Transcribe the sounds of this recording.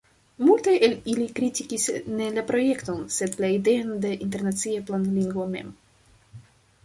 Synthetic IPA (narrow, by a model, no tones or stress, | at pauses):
multajʔelilikɾitikisne̞lapɾo̞je̞kto̞nse̞dlaide̞ande̞ʔint̬e̞ɾnat͡siaplanliŋɡvome̞̰m